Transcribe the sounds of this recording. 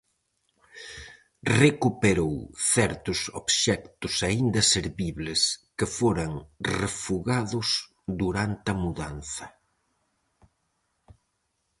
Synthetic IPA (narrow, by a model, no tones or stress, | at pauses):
rekupeɾowθɛɾt̪ʊso̰βʃɛkt̪ʊsaind̪ɐseɾβiβlɪskɪfoɾɐŋrefuɣaðʊs | ðuɾant̪ɐmuðan̟θɐ